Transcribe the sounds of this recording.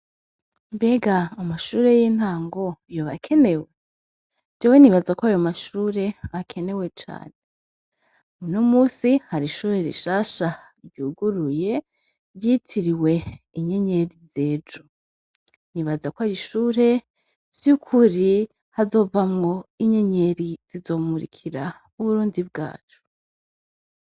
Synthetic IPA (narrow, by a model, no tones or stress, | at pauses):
mbe̞ɡaːmaʃuːɾe̞jin̥haːŋɡo̞jo̞βakʰe̞ne̞we | d͡ʒawe̞niβazakoajo̞maʃuɾe̞akʰe̞ne̞we̞t͡ʃa̰ːne | unomuːsihaɾiʃuːɾe̞ɾḭʃaːʃa | ɾɟuːɡuɾuje̞ | ɾjitʰiɾiwe̞iɲe̞ɲe̞ɾize̞ːd͡ʒo | niβazakoaɾiʃuːɾe̞ | vjukʰuɾi | hazo̞ːvamŋo̞iɲe̞ɲe̞ɾiz̥izo̞ːmuɾḭkʰiɾa | uβuɾuːndib̚ɡa̰ːt͡ʃo̥